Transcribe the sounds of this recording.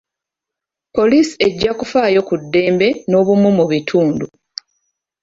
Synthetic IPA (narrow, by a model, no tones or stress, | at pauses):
po̞lisi̥e̞ɟːakufaːjo̞kudːe̞ːmbe̞no̞ːβumumuβitʰuːndu